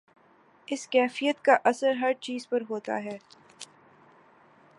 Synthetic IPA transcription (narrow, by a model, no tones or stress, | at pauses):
ɪskɛːfijət̪kaʔɐsəɾɦɐɾt͡ʃiːzpɐɾɦoːt̪a̰ɦɛː